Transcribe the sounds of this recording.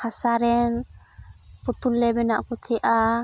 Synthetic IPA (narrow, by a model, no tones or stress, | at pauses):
asaɾɛn | pɔt̪ulːɛbɛnaʔkut̪ʰɛʔa